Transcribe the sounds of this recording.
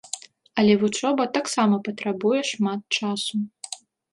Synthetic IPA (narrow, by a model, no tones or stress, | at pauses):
ɐlʲɛvut͡ʂɔbɐt̪aksamɐpɐt̪ɾabujɛʂmat̪̚t͡ʂasu